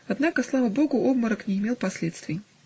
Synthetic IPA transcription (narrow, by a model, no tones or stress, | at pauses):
ɐd̪nakəslˠavəbo̞ɡʊʔobməɾəknʲɪɪmʲe̞lˠpɐsʲlʲe̞t̪st̪vʲɪj